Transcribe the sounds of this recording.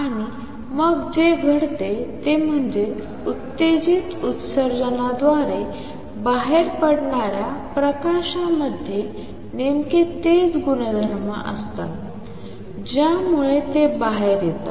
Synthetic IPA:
aɽ̃i | məɡd͡zeɡʱəɽt̪et̪em̤əɳd͡ze | ut̪ːed͡ʑiːt̪ut̪səɾd͡zənad̪ʋaɾe | baɦeɾpəɽɳaɾjapɾəkaɕaməd̪ʱːje | nemket̪ed͡zɡunəd̪ʱəɾmə̰ʔə̰st̪a̰ | d͡ʑjamuɭet̪ebaɦeɾjet̪a

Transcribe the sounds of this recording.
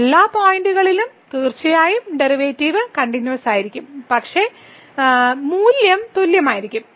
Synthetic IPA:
elːaːpoːjiɳɖuɣɐɭilumt̪iːrt͡ɕːɐjaːjumɖeriʋeːtːiːʋɨkɐɳɖinjuʋɐsaːjiɾikʲːumpɐkʂe̞ | muːljɐmt̪uljɐmaːjiɾikʲːum

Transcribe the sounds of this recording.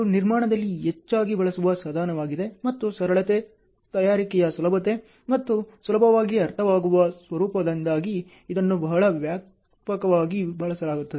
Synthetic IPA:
niɾmaːɳɐd̪ɐlːiɦet͡ʃːaːɡibɐɭɐsuʋɐsaːd̪ʱaːnɐʋaːɡid̪e̞mɐt̪ːusɐɾɐɭɐt̪e | t̪ɐjaːɾikɛjɐsulɐbʱɐt̪e | mɐt̪ːusulɐbʱɐʋaːɡiɐɾt̪ʰɐʋaːɡuʋɐsʋɐɾuːpɐd̪ɐnd̪aːɡiː | d̪ɐnːubɐɦɐɭɐʋjaːk | pɐkɐʋaːɡibɐɭɐsɐlaːɡut̪ːɐd̪e

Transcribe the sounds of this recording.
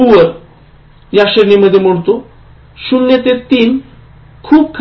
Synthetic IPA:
uʋəɾ | jaɕəɾniməd̪ʱːjeməɽt̪o | ɕunjet̪eɾt̪iːn | kʰuːp̚kʰ

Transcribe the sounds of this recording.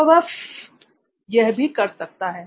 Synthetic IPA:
ʋɐs | jɛɦbʱikɐɾsɐk̚t̪aɦɛː

